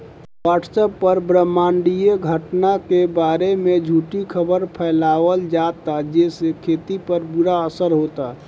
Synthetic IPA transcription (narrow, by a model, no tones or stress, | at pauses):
waːʈsəpːəɾbɾəmːaːɳɖijeɡʱəʈnakebaːɾemẽd͡ʒʱuːʈikʰəbəɾpʰɛːlaːwəld͡ʒaːt̪ad͡ʒeːsekʰeːt̪ipəɾbuɾaəsəɾɦoːt̪a